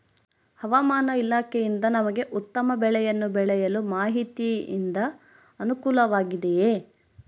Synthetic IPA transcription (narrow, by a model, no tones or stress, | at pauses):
hɐʋamaːnɐilaːkʰɛjind̪ɐnɐmɐɡe̞ʔut̪ːɐmɐbɛɭɛjɐnːubɛɭɛjɐlumaːɦit̪iḭnd̪ɐ | ɐnukuːlɐʋaːɡid̪ejeː